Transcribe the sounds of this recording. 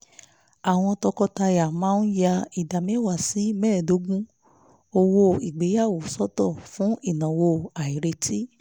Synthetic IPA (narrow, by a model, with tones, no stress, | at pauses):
a˨w̃ɔ̃˧tɔ˧kɔ˧ta˧ja˨mãː˦n̩˦ja˧i˨da˨mĩ˦wa˦˨si˨˦mɛː˦˨do˨˦ɡũ˦ | o˧wo˧i˨ɡ͡be˨˦ja˦˨wo˨sɔ˦tɔ˦˨fũ˦ʔi˦˨nã˨wo˧a˨i˨ɾe˧tʰi˦